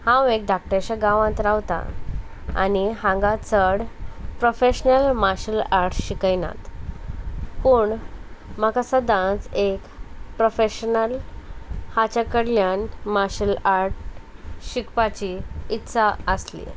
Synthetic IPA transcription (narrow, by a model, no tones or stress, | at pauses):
hãwek̚d̪ʱak̚ʈãɕaɡãʋãt̪ɾawt̪a̰ | a̰niɦãŋɡat͡səɽpɾofeɕnəlmaɕəlaɾʈɕikəjna̰t̪ | puɳməkasəd̪ãt͡sekpɾofeɕənəl | hat͡ɕakəɽljanmaɕəlaɾʈ̚ɕikpat͡ɕiːt̪saəslḭ